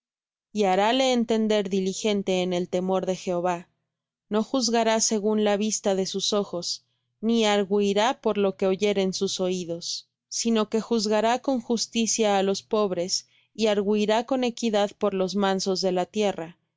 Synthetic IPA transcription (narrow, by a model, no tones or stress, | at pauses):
iaɾale̞ːnt̪e̞nd̪e̞ɾðilixe̞nt̪e̞ːne̞lt̪e̞mo̞ɾðe̞xe̞o̞βa | no̞xuzɣaɾase̞ɣunlaβ̞ist̪aðe̞suso̞xo̞s | niaɾɣuiɾapo̞ɾlo̞ke̞o̞ʝe̞ɾe̞nsuso̞iðo̞sː | ino̞ke̞xuzɣaɾako̞ŋxust̪isjaːlo̞spo̞βɾe̞s | iaɾɣuiɾako̞ne̞kiðaðpo̞ɾlo̞zmãnso̞zðe̞lat̪je̞ra